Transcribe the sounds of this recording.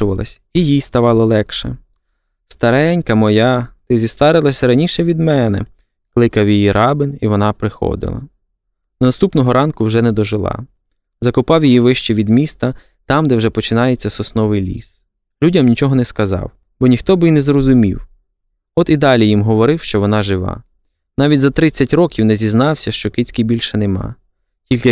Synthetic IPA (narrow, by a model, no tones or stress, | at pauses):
ʊʋɐlˠɐ̰sʲ | ijijst̪ɐʋɑlˠɔlˠɛkʃɛ̰ | st̪ɐɾɛnʲkɐmɔjɑt̪ɪzʲist̪ɑɾɪlˠɐsʲɾɐnʲiʃɛʋʲid̪mɛnɛ̰ | klˠɪkɐwjijiɾʔɑbɪniʋɔnɑpɾɪxɔ̰d̪ɪ̰lˠɐ̰ | d̪ɔnɐst̪upnɔɦɔɾʔɑnkʊwʒɛnɛd̪ɔʒɪlˠɑ̰ | zɐkʊpɑwjijiʋɪʃt͡ʃɛʋʲid̪mʲist̪ɐ | t̪ɑmd̪ɛwʒɛpɔt͡ʃɪnɑjet͡sʲːɐsɔsnɔʋɪjlʲḭs | lʲudʲɐmnʲit͡ʃɔɦɔnɛskɐzɑ̰w | b̥ɔnʲixt̪ɔbɪinɛzɾɔzʊmʲḭw | ɔt̪id̪ɑlʲijimɦɔʋɔɾɪwʃt͡ʃɔʋɔnɑʒɪʋɑ̰ | nɑʋʲitʲzɐt̪ɾɪt͡sʲːɐtʲrɔkʲiwnɛzʲiznɑwsʲɐʃt͡ʃɔkɪt͡sʲkijbʲilʲʃɛnemɑ̰ | tʲilʲkɪ